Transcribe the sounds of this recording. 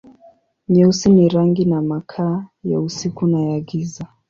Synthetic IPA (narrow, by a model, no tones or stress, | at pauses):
ɲɛusiniɾaŋɡinamakʰaːjausikunajaɡiza